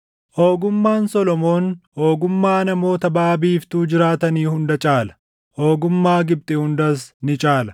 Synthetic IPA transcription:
ʔoːɡʊmːaːnsɔlɔmo̞ːnhoːɡʊmːaːnɐmo̞ːt̪ɐbaːbiːft̪uːd͡ʒɪɾaːt̪ɐniːhʊnd̪ɐt͡ʃʼaːlɐ̥ | hoːɡʊmːaːɡɪb̚t̪ʼɪhʊnd̪ɐsnɪt͡ʃʼaːlɐ

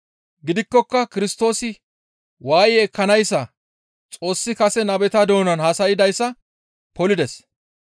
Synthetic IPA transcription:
ɡɪd̪ɪkːɔkːɐkɪɾɪst̪o̞ːsɪ | waːjːkːɐnɐjsːɐ | t͡sʼo̞ːsːɪkɐsɛnɐbɛt̪ɐd̪o̞ːnɐnhɐsɐjɪd̪ɐjsːɐ | pɔlɪd̪ɛs

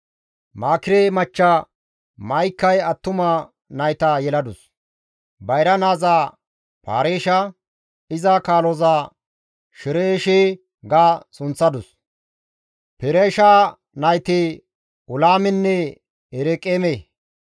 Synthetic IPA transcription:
maːkɪɾemɐt͡ʃːɐ | mɐjkːɐjɐt̪ːʊmɐ | nɐjt̪ajɛlɐd̪ʊs | bɐjɾɐnaːzaː | pa̰ːɾeːʃɐ | ɪzɐkaːlɔzaː | ʃɪɾeːʃeː | ɡaːsʊnt͡sːɐd̪ʊs | pɛɾeːʃaː | nɐjt̪e | ʊlaːmɪnːɛ | ɛɾɛkʼeːmeː

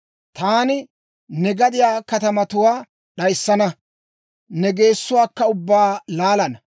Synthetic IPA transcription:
t̪aːnɪ | nɛɡɐd̪ɪjaːkɐt̪ɐmɐt̪ʊwaː | ɗɐjsːɐnɐ | nɛɡe̞ːsːʊwaːkːɐʊbːaːlaːlɐnɐ

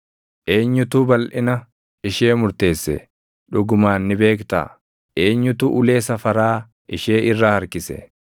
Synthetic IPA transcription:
ʔe̞ːɲːʊt̪uːbɐlʔɪnɐ | ɪʃe̞ːmʊɾt̪e̞ːsːɛ̰ | ᶑʊɡʊmaːnːɪbe̞ːkt̪a̰ː | ʔe̞ːɲːʊt̪uːʔʊle̞ːsɐfɐɾaː | ɪʃeːʔɪrːahɐɾkɪsɛ̰

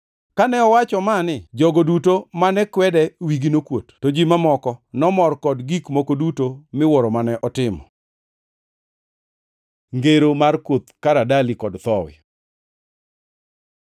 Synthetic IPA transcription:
kanɛɔwat͡ʃɔmanɪd͡ʒɔɡodutomanɛkwɛdɛwiɡinokwotːod͡ʒimamɔkɔnɔmɔrkɔdɡikmokodutomɪwɔɾɔmanɛʔɔtɪmɔ̰ | ŋɡeɾomarkwot̪kaɾadalikɔdt̪ɔwɪ̰

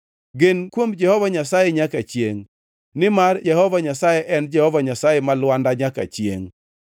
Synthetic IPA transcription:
ɡɪnkwomd͡ʒɛhɔvaɲasajɛɲakat͡ʃjeŋ | nɪmarjɛhɔvaɲasajeʔɛnd͡ʒɛhɔvaɲasajɛmalwandaɲaka̰t͡ʃjḛŋ

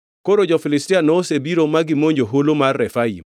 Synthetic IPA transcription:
koɾod͡ʒɔfilɪstianɔːsebiɾomaɡɪmoɲd͡ʒoɦolomarːɛfaḭm

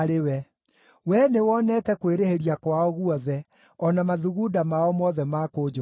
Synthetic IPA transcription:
ɾewɛ | wɛnewɔnɛtɛkweɾeheɾiakwaɔɣuɔðɛ | ɔnamaðuɣudamaɔmɔðɛmakod͡ʒo

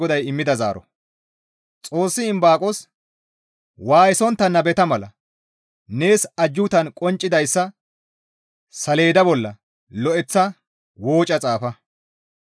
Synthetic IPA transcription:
ɔd̪ɐjɪmːɪd̪ɐza̰ːɾɔ̰ | t͡sʼo̞ːsːɪɪmbaːkʼɔs | waːjɪsɔnt̪ːɐnːɐbɛt̪ɐmɐlɐ̰ | ne̞ːsɐd͡ʒːʊt̪ɐnkʼɔnt͡ʃʼːɪd̪ɐjsːɐ | sɐle̞ːd̪ɐbɔlːɐ | lɔʔɛt͡sːɐ | wo̞ːt͡ʃʼːɐt͡sʼaːfɐ

